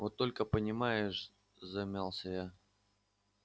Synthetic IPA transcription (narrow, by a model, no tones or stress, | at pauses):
vot̪ːo̞lʲkəpənʲɪmajɪʂ | zɐmʲalˠsʲəja